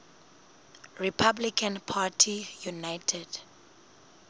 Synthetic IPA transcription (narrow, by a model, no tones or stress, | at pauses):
ɹipʰablikʰãnpʰatʰijunajtʰɛd̥